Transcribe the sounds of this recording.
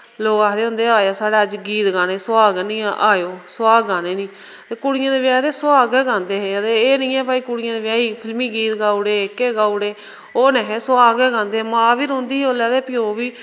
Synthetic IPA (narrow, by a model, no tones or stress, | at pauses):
loːɡaːɾeːɦʊ̃nd̪eːaːjaːsaːɽeːəd͡ʒɡiːt̪ɡaːneːsʊaːɡnĩːʔaːjoːsʊaːɡɡaːneːnĩː | t̪eːkʊɽɪjãːd̪eːʋjaːd̪eːsʊaːɡɛːɡãːnd̪eːɦeːt̪eeːnĩːɛːpaːiːkʊɽɪjãːd̪eːʋjaːiːpʰɪlmiːɡiːt̪ɡaːuɽeːkːeːɡaːuɽeː | oːnɛ̃ːɦeːsʊaːɡɛːɡãːnd̪eːmãːʋiːɾõːnd̪iːoːlɛːd̪eːpɪjoːʋiː